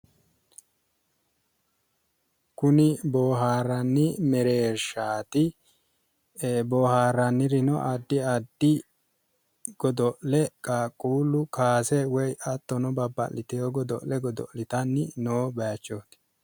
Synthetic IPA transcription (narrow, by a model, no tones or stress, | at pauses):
kʊnɪboːɦaːɾɐnːɪmɛɾe̞ːɾʃaːt̪ɪ | boːhaːɾɐnːɪɾɪnɔʔɐd̪ːɪɐd̪ːɪ | ɡ̥ɔd̪ɔʔlɛkʼaːkʼːuːlʊkaːsɛwɔjʔɐt̪ːɔnɔbɐbːɐ̰lːɪt̪ɛjoɡɔd̪ɔ̰ʔlɛɡɔd̪ɔ̰ʔlɪt̪ɐnːɪnoːbɐt͡ʃːoːt̪ɪ̥